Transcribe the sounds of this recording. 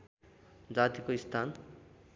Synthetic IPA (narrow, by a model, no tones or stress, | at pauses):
d͡zat̪ikoist̪ʰan